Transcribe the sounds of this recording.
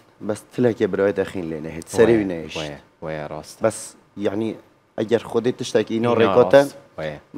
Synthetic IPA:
bɛst̪ʰɨlɛkebɨɾɑːjet̪ɛxiːnleːnɛɦeːt̪sɛɾeːwinɛeːʃt̪ː | sbɛs | jaʕni | ʔæɡɛɾxʊd̪eːt̪ɨʃt̪ɛkiːnɑːreːkɔt̪ɛ

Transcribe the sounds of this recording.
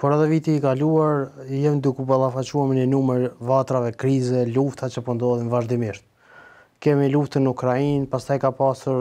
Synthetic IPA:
pɔɾaðɛvit̪iːkaluaɾjɛmnd̪ukupalˠafat͡ɕuaməɲənuməɾvat̪ɾavɛkɾizɛluft̪at͡ʃəpɔnd̪ɔðinvaʒd̪imiʃt̪̚ | kɛmiluft̪ənəukɾainpast̪ajkapasuɾ

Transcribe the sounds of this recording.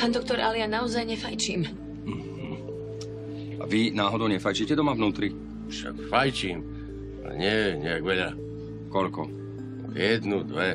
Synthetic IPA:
pand̪ɔk̚t̪ɔɾalianaɔzajɲɛfajt͡ʃiːm | m̩ | a̰ʋinaːɦɔd̪ɔʊɲɛfajt͡ʃicɛd̪ɔmavnuːt̪ɾi | fʃa̰kfajt͡ʃiːm | a̰lɛ̰ɲɪɛɛɲɛaɡʋɛʎa | kɔʎkɔ | jɛd̪nud̪ʋɛ

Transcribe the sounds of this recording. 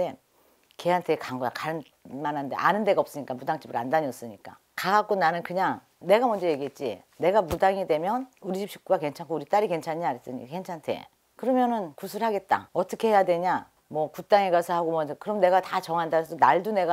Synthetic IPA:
e̞ | ke̞ɦantʰe̞kaŋɡojakaɾɯn | manɦande̞̰ʔa̰nɯnde̞ɡaʌp̚s͈ɯɲik͈amudaŋt͡ɕ͈ibɯɾandaɲiʌs͈ɯɲik͈a̰ | kaɡak͈onanɯnkɯɲaŋ | ne̞ɡamwʌnd͡ʑʌje̞ɡiɦet̚t͡ɕ͈iḛ | ne̞ɡamudaŋidwe̞mjʌnuɾid͡ʑip̚ɕʰi̥k̚k͈uɡake̞nt͡ɕʰaŋkʰouɾit͈aɾike̞nt͡ɕʰaɲaaɾes͈ɯɲḭk͈ake̞nt͡ɕʰantʰe̞̰ | kɯɾʌmjʌnɯnkusʰuɾhaɡe̞t̚t͈a̰ʌt͈ʌkʰe̞he̞jadwe̞ɲa | mwʌkut͈aŋeɡasʰʌhaɡomwʌkɯɾʌmne̞ɡatat͡ɕʌŋɦandasʰʌdonaɭdune̞ɡa

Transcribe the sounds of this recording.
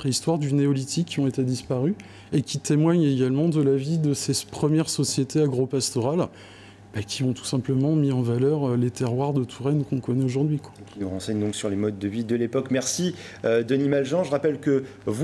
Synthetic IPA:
χeist̪waʁd̪yneɔlit̪ʰikʰʲːiɔ̃et̪ed̪ispaʁy | ekʲit̪emwaɲeɡalmɑ̃d̪əlavid̪əsepχəmjɛʁsɔsjet̪eaɡʁopast̪ɔʁal | b̥akʲʰiɔ̃t̪u̥sɛ̃pləmɑ̃miɑ̃valœʁølet̪eʁwaʁd̪ət̪ʰuʁɛnkɔ̃kɔnɛoʒuʁd̪ɥikwḁekinuʁɑ̃sɛɲd̪ɔ̃ksyʁlemɔd̪ːəvid̪əlepɔkmɛʁsi | ød̪ənimalʒɑ̃ʒəʁapɛlkə | vu

